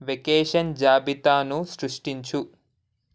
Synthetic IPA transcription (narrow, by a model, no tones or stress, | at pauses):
ʋekeːʂɐnd͡ʒaːbit̪aːnuʃɾuʂʈiɲt͡ʃu